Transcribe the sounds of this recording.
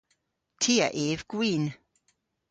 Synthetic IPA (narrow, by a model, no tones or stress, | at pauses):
tʰiːəʔeːvɡ̥wiːn